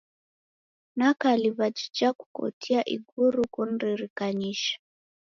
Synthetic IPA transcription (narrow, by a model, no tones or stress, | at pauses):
nakaliβad͡ʒid͡ʒaku̥kɔ̰tʰiaʔḭɡuɾukun̩ɾiɾikaɲiʃḁ